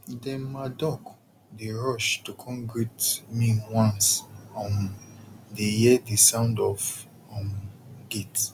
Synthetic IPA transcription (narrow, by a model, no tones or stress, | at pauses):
dɛ̃madɔk | deɹɔʃtukʰɔ̃nɡɹitmĩwãnsɔ̃n | dejɛdisãʊ̃ndɔf | ɔ̃mɡet